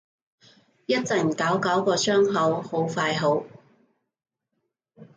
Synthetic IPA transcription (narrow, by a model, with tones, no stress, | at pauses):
jɐ˥t̚t͡sɐ˨˩jm̩˨˩kaː˨˥wkaː˨˥wkɔː˧sœː˥ŋɦɐ˨˥who˨˥wfaː˧jɦo˨˥w